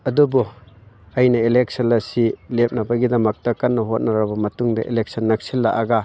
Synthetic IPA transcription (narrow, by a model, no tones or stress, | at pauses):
ɐdubu | ɐjnɐilek̚sɐnɐsilep̚nɐbɐɡidɐmɐk̚tɐkɐnːɐɦot̚nɐɾɐbɐmɐtuŋdɐʔelek̚sɐnːɐk̚silːaʔɐɡa